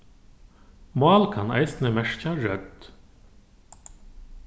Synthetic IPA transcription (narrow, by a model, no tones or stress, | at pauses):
mɑːlkʰɑnæ̰ɪsnəmæʂçaɾœd̪̥